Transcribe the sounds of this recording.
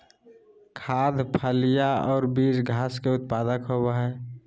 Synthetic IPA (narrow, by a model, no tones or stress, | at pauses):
kʰaːd̪ʱpʰalijaɔːɾbiːd͡ʒɡʱaːskeʊt̪̚pad̪əkɦobaɦɛ